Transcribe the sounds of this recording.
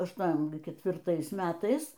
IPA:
ɐʃˈtuɔm kʲɛtʲʋʲɪrˈtɐɪs ˈmʲæːtɐɪs

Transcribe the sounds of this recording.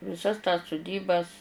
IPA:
ʋʲɪˈsɐs tɐs sʊˈdʲiːbɐs

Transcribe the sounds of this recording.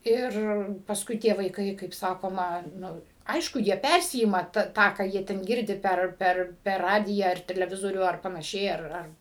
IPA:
ˈɪr pɐsˈkʊɪ tʲiɛ ʋɐɪˈkɐɪ kɐɪp ˈsɑːkoːmɐ ˈnʊ ˈɐɪʃkʊ jiɛ ˈpʲærʲsʲɪɪmɐ tɐ ˈtɑː kɑː ˈjiɛ tʲɛn ˈɡʲɪrʲdʲɪ ˈpʲɛr ˈpʲɛr pʲɛr ˈrɑːdʲɪjæː ɐr tʲɛlʲɛˈʋʲɪzoːrʲuː ˈɐr pɐnɐˈʃʲɛɪ ɐr ˈɐr

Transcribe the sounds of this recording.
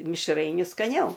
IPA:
mʲɪʃˈrɐɪnʲʊ skɐˈnʲɛʊ

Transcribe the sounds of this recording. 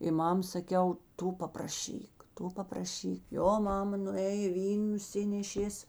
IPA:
ɪ ˈmɐm sɐˈkʲɛʊ ˈtʊ pɐprɐˈʃʲiːk ˈtʊ pɐprɐˈʃʲiːk ˈjoː ˈmɑːmɐ nʊˈeːjeː ˈʋʲiːn nʊˈsʲɪnʲɛʃʲeːs

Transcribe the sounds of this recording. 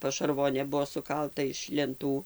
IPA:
pɐʃɐrˈʋoːnʲeː ˈbʊʋoː sʊˈkɐlˠtɐ ɪʃ lʲɛnˈtuː

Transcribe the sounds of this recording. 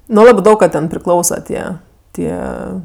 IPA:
nʊ ˈlˠɑːbɜ ˈdɐʊk kɐ ˈtʲɛn pʲrʲɪˈklˠɐʊsɐ ˈtʲiɛ ˈtʲiɛ

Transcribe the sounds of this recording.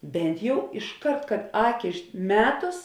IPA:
ˈbʲɛnt jɛʊ ɪʃˈkɐrt kɐt ˈɑːkʲɪ ˈmʲæːtʊs

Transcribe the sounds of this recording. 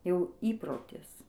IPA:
jɛʊ ˈiːproːtʲɪs

